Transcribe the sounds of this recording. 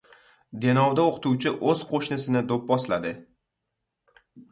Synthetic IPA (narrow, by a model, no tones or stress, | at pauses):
d̪e̞nɒwd̪aoqʰɨ̥t̪ʰuwt͡ʃʰɪʔɵz̥qʰoʃnɪsɪnɪd̪op̚bɒslad̪ɪ